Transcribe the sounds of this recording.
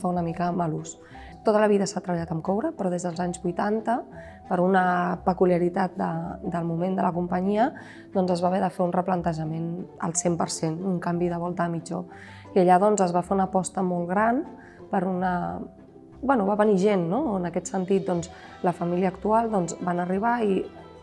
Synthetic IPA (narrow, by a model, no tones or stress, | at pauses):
faunəmikəməlus | t̪ot̪ələβ̞iðəsat̪ɾəβəʎat̪əmkɔwɾəpɾɔð̞ezðəlˠzaɲzβujt̪ant̪ə | pəɾunəpəkuliəɾit̪at̪̚d̪əd̪əlˠmumend̪ələkumpəɲiə | d̪ɔnzəzβaβɛðəfeunrəplənt̪əʒəmenə̰lˠsempəɾsenuŋkambiðəβɔlˠt̪əːmid͡ʒo | iəʎaðɔnzəzβafeunəpɔst̪əmɔlˠɣɾan | pəɾunə | bwɛnuβaβəniʒenːoənəkɛt̪sənt̪it̪̚d̪ɔnz | ləfəmiliəːkt̪ualˠd̪ɔnzbanəriβ̞ai